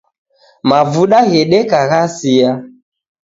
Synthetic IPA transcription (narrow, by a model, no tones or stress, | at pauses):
mavuɗaɣɛɗɛkaɣasia